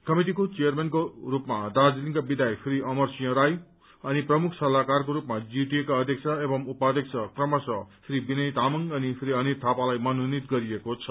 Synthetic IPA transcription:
kʌmiʈikot͡sijʌrmenkorupmad̪ad͡ziliŋkabid̪ajpʰriʌmʌrsijʌɾaj | ʌniprʌmukʰsʌlakarkoɾupmad͡ziʈ̪iekaʌd̪ʱjek̚t͡sʰʌebʌmupad̪ek̚t͡sʰʌkrʌmʌsʌpʰribinʌjt̪amʌŋʌnipʰriʌnit̪ʰːapalajmʌnunit̪̚ɡʌɾiekot͡sʰʌ̥

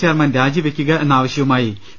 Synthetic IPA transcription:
t͡ɕeːrmaːnɾaːd͡ʑiʋekʲːuɣɐʔe̞nːɐaːʋɐɕjɐʋumaːji

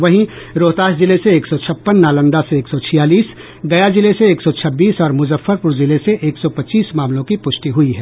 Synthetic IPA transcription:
ʋɐɦĩ | ɾoːt̪aːʃd͡ʒɪleseeːksɔt͡ʃʰɐpːənːaːlə̃nd̪aseːksɔt͡ʃʰijaːliːs | ɡɐjad͡ʒɪleseeːksɔt͡ʃʰɐbːiːsɔːɾmʊzəfːəɾpʊɾzɪleseʔeːksɔpɐtːt͡ʃiːsmaːmlõkipʊʃʈiɦʊiɦɛː

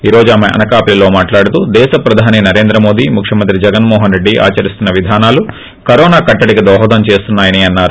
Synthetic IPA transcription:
iːɾo̞ːd͡ʒuaːmeʔɐ̰nɐkaːpililo̞ːmaːʈlaːɽut̪ud̪ɛːʃɐpɾɐd̪ʱaːninɐɾe̞ːnd̪ɾɐmo̞ːd̪iːmukʰʂjɐmɐnt̪ɾid͡ʒɛɡɐnmɔːɦɐnɾe̞ɖːiʔa̰ːt͡ʃɐɾist̪unːɐʋid̪ʱaːnaːlu | kɐɾɔːnaːkɐʈːɐɽikid̪ɔːɦɐd̪ɐmt͡ʃe̞ːst̪unːaːjɐniɐnːaːɾu

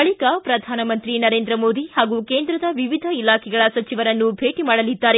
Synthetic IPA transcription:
ɐɭikɐpɾɐd̪ʱaːnɐmɐnt̪ɾinɐɾe̞ːnd̪ɾɐmoːd̪ihaːɡukeːnd̪ɾɐd̪ɐʋiʋid̪ʱɐilaːkʰɛɡɐɭɐsɐt͡ʃiʋɐɾɐnːubʱe̞ːʈimaːɽɐlid̪ːaːɾe

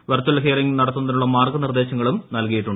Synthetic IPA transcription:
ʋɐrt͡ɕːɐlɦeːriŋnɐɽɐt̪ːunːɐðinuɭːɐmaːrɡɐnird̪e̞ːɕɐŋːɐɭumnɐlkɐjiʈːuɳɖɨ

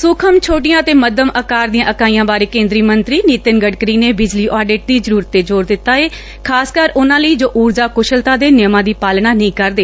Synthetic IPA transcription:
sʊkʰəmt͡ʃʰoːʈɪjãːt̪eːməd̪əməkaːɾd̪ijãːʔəkaːiːãːbaːɾeːkẽːnd̪ɾiːmənt̪ɾiːniːt̪ənɡəɖkəɾiːneːbɪd͡ʒliːʔɔːɖeːʈ̚d̪iːzəɾuːɾət̪ːeːd͡ʒoːɾd̪ɪt̪ːaːeː | kʰaːskəɾʊnãːləiːd͡ʒoːʔuːɾzaːkʊʃəlt̪ãːd̪eːnɪjmãːd̪iːpaːlɳ̃aːnĩːkəɾd̪eː

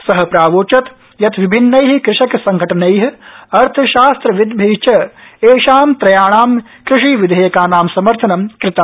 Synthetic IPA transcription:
sɐɦɐ̆pɾaːʋoːt͡ʃɐt̪ | jɐt̪ʋibʱinːɐjɦkɾɪʂɐksɐŋɡʱɐʈɐnɐjɦɐɾt̪ʰɐʃaːst̪ɾɐʋɪd̪bʱeːt͡ʃɐeːʃaːmt̪ɾɐjaːɳ̃aːm | kɾɪʂiːʋid̪ʱɐjɐkaːnaːmsɐmɐɾt̪ʰɐnɐmkɾɪt̪ɐm

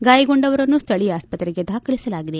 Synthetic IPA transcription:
ɡaːjɐɡoɳɖɐʋɐɾɐnːust̪ʰɐɭiaːspɐt̪ɾiɡe̞d̪ʱaːkʰɐlisɐlaːɡid̪e̞

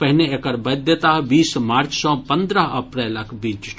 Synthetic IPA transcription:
pɐɦneekɐɾbɐd̪jet̪aːɦbiːsmaːɾt͡ʃsɔ̃pɐ̃nd̪ɾəɦɐpɾɛːlɐkbiːd͡ʒ

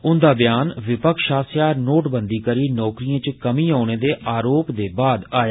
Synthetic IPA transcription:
ʊnd̪aːbjaːnʋɪpəkʃaːsjaːnoːʈbənd̪iːkəɾiːnɔːkɾijãːt͡ʃkəmĩːaːñeːd̪eːʔaːɾoːpd̪eːbaːd̪aːja

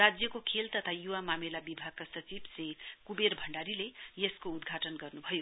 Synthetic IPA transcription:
rad͡zjʌkokʰelt̪ʌt̪ʰajuwamamelabibʱaɡ̚kasʌt͡sibsekubeɾbʱʌɳɖaɾilejeskoud̪ɡʱaʈʌnɡʌrnubʱʌjo

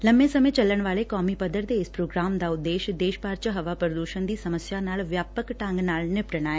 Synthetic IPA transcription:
lɐmbẽsɐmẽt͡ʃɐləɽ̃ʋaːlekɔːmipəd̪əɾd̪eɪspɾoːɡɾaːmd̪aʊd̪ːeːʃd̪eːʃpaːɾt͡ʃəɦɐʋapɾəd̪uːʃənd̪iːsɐməsjanaːlʋjaːpəkʈãŋɡnaːlnɪpʈəɽ̃aːɛː

